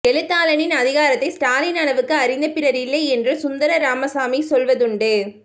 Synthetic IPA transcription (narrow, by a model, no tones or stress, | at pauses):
kɛlɯt̪ːaːlɐnɪnɐðɪɣaːɾɐt̪ːɐɪsʈaːlɪnɐɳɐʋɯkːɯɐɾɪnd̪ɐpɪɾɐɾɪlːɐɪɛndrɯsʊnd̪ɐɾɐɾaːmɐsaːmisɔlʋɐðɯɳɖɯ